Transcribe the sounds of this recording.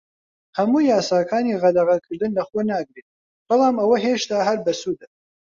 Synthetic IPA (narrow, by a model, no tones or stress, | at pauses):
hɐmuːjaːsaːkʰaːniʁɐd̪ɐʁɐkʰɨɾd̪ɨnlɐxonaːɡɾet̪ | b̥ɑlˠɑːmɐwɐɦeːʃt̪aːɦɐɾbɐsuːd̪ɐ